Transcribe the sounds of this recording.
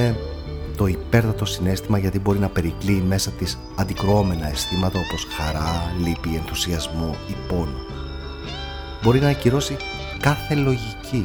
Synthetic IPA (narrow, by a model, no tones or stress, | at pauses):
e | t̪o̞ipe̞ɾt̪ɐt̪o̞sine̞st̪imɐʝɐt̪ibo̞ɾinɐpe̞ɾikliːme̞sɐt̪is | ɐnd̪ikɾoo̞me̞nɐe̞st̪imɐt̪ɐo̞po̞sxɐɾɐlipie̞nθu̥siɐzmo̞ipo̞ni | bo̞ɾinɐciɾo̞si | kɐθe̞lo̞ʝicʰi